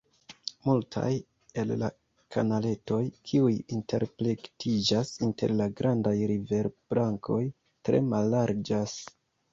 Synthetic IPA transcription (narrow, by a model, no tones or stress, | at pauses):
multʰa̰j | e̞lla̰ | kʰanale̞to̞jkʰiujintʰe̞̰ɾpɾe̞ktid͡ʒasinte̞ɾlaɡɾʔandajɾive̞ɾb̥laŋkʰo̞j | tɾe̞̰malːaɾd͡ʒas